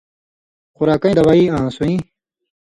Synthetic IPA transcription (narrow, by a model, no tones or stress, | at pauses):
qʊɾaːkɐĩd̪ɐwaiːãːsuĩ